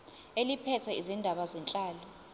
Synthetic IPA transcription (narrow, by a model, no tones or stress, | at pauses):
elipʰɛtʰɛizindʱaɓazɛnt͡ɬʼaːlɔ